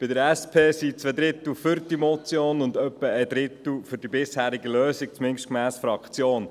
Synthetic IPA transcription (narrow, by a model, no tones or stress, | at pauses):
b̥ɪdəɾɛspʰeːsit͡sʋed̪ɾɪt̪l̩fʏɾd̥imɔt͡sjoːnʊndœpːəɛd̪ɾɪt̪l̩fʏɾdibɪshæːɾiɡəløːsik̚t͡smɪnʃtkmæːsfɾɑkt͡sjoːn